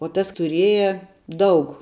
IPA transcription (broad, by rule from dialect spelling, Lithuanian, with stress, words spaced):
oː ˈtɐs tʊˈrʲeːjɛ ˈdɐʊk